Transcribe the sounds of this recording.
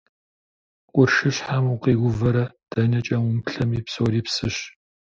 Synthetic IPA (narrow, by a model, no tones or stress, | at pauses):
qʷʼʊrʃɨɕħamuqiːɡʷʊvɐɾɐd̥ɐnɐt͡ʃʼɐwʊmɬɐmiːpsowɾiːpsɨɕ